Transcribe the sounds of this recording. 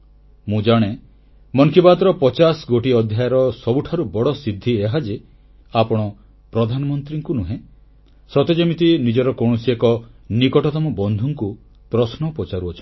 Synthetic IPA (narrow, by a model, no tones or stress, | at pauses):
mũd͡ʒaɽ̃e | mɔŋkʰibad̪ɾɔpɔt͡ʃasɡoʈiɔd̪ʱjajɔɾɔsɔbuʈʰaɾubɔɽɔsid̪ʱːieɦad͡ʒe | apɔɽ̃ɔ | pɾɔd̪ʱanɔmɔnt̪ɾiŋkunuɦẽ | sɔt̪ed͡ʒɔmit̪inid͡ʒɔɾɔkoɽ̃ɔsiekɔnikɔʈɔt̪ɔmɔbɔnd̪ʱuŋku | pɾɔsnɔpɔt͡ʃaɾuɔt͡ʃʰn